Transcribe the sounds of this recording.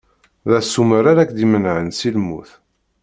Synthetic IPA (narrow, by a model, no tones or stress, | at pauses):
ðæsuməɾaɾækd̪imənʕənsilmːṵθ